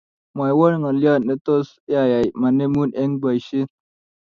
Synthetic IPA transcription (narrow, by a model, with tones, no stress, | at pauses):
ma˨jwo˦ɾŋa˨lja˦˨ne˦t̪o˦s | ja˨ja˨jma˨ne˦mu˦ne˦ŋba˨ʃi˦